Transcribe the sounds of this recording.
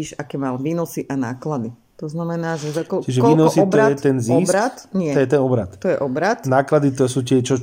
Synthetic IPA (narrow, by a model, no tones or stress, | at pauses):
iːʃakɛːmaːlʋiːnɔsiʔanaːklad̪i | t̪ɔznamɛnaːʒɛzakɔt͡ʃiʒɛkiːnɔsiɔtb̪ɔɾaɛt̪t̪ɛnziɔsɾat̪ɲɪɛɔjɛt̪ɛnɔbɾat̪t̪ɔjɛʔɔbɾat̪naːklad̪it̪ɔsuːt̪ɪɛt͡ʃɔ